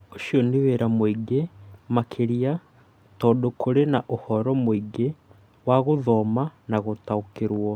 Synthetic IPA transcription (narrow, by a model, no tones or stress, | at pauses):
oʃioniβeɾamwiɡemakʰeɾia | tɔdokoɾenaʔohɔɾɔmwiɡe | waɣoðɔmanaɣotaukeɾwɔ